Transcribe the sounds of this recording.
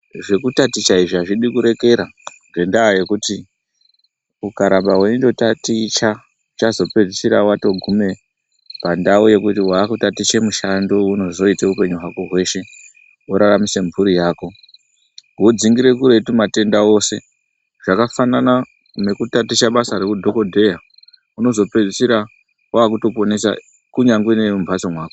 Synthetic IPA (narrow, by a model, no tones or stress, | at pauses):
ʐe̞kutatit͡ʃaiʐiaʐiɗikuɾe̞ke̞ɾaŋɡe̞ndaːje̞kuti | ukaɾambawe̞indo̞tatit͡ʃa | t͡ʃazo̞pe̞risiɾawato̞ɡʱume̞ | pandaoje̞kutiwakutatit͡ʃe̞muʃandouno̞zo̞iteupe̞ɲuɦwakoɦwe̞ːʃe̞ | uɾaramiseɱvuɾijaːko̞ | wod͡ziŋɡiɾe̞kuɾe̞tumate̞ndao̞ːse̞ | ʐ̥akafanana | ne̞kutatiʃaɓasaɾe̞kudʱo̞ko̞dʱe̞ja | uno̞zo̞pe̞d͡zisiɾa | waːkuto̞po̞ne̞sa̰ | kuɲaŋɡwenemumbat͡somwaːko